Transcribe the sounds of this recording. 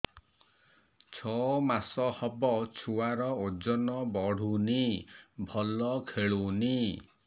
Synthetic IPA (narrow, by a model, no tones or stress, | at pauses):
t͡ʃʰɔmasɔhɔbɔt͡ʃʰuaɾɔod͡ʒɔnɔbɔɽ̤unibʱɔlɔkʰeɭuni